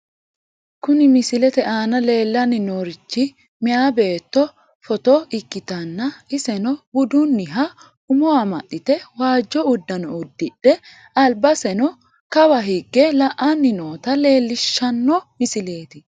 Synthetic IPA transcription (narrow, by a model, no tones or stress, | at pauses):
kʊnɪmɪsɪlɛt̪ɛʔaːnɐle̞ːlːɐnːɪnoːɾɪt͡ʃːɪ | mɪaːbe̞ːt̪ːɔ | fɔt̪ɔɪkːɪt̪ɐnːɐɪsɛnɔbʊd̪ʊnːɪɦɐ | ʊmɔɐmɐʔːɪt̪ɛwaːd͡ʒːɔʊd̪ːɐnɔʊd̪ːɪɗɛ | ɐlbɐsɛnɔ | kɐbɐɦiɡːɛlɐʔɐnːɪnoːt̪ɐle̞ːlːɪʃːɐnːɔmɪsɪle̞ːt̪ɪ